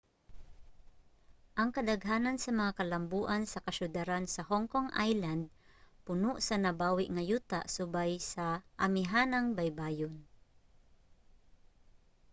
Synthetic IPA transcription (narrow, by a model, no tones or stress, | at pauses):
ʔɐŋkɐd̪ɐɡɦaːnansɐmɐŋakɐlɐmbuːʔansɐkɐʃʊd̪aɾansɐhɔŋkoŋʔa̰jland̪̚ | pʊnʊʔsɐnɐbaːwɪʔŋɐjuːt̪a̰ʔsʊbajsɐʔɐmɪɦaːnaŋbajbaːjʊn